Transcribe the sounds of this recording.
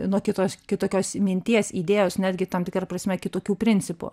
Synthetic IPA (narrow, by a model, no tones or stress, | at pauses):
nuɔkʲɪt̪oːskʲɪt̪oːkʲoːsmʲɪnʲt̪ʲiɛsiːd̪ʲeːjoːsnʲæːd̪ʲɡʲɪt̪ɐmt̪ʲɪkɾɐprɐsʲmʲɛkʲɪt̪oːkʲuːpʲɾʲɪnʲt͡sʲɪpʊ̰